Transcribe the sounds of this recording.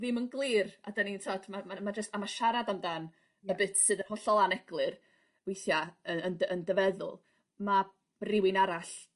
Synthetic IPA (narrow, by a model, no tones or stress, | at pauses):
vɨmənɡlˠɨːra̰danitʰɔdmamamad͡ʒəstamaʃaɾadamdan | əbɨtʰsɨðənhɔɬɔlˠanɛɡ̥lˠɨr | vejθjaəənəndəvɛðʊ̰lˠ | ma | rɪwɪnaɾaɬ